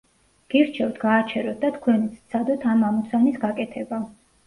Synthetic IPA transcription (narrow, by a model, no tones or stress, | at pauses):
ɡ̥iɾt͡ʃʰɛwt̪ʰɡaːt͡ʃʰɛɾɔt̪̚ʰd̪at̪ʰkʰwɛnit̪sʰt̪sʰad̪ɔt̪ʰamamut̪sʰanisɡakʼɛt̪ʰɛba